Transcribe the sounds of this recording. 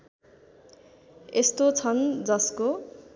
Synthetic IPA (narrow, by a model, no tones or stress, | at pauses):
est̪ot͡sʰʌnd͡zʌsko